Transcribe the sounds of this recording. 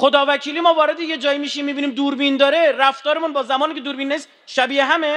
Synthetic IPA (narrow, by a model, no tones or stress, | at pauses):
χod̪ɒːvæcʰiːliːmɒːvɒːɾe̞d̪eje̞d͡ʒɒːjimiːʃimiːbiːniːmd̪uːɾbiːnd̪ɒːɾeɾæft̪ɒːɾemunbɒːzæmɒːniːcʰed̪uːɾbinːæis | ʃæbiːeɦæme